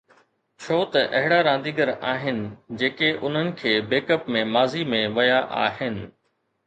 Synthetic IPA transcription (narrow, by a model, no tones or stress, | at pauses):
t͡ɕʰoːt̪ɐʔɐɦɪɽaɾãːnd̪iɡəɾaːɦɪnɪ̆d͡ʑeːkeʔʊn̤ənɪ̆kʰeːbeːkəpmẽmaːzimẽʋɐjaʔa̰ːɦɪnɪ̆